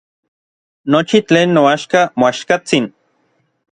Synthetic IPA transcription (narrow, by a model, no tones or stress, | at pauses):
not͡ʃit͡ɬeːnːoaʃkamoaʃkat͡sin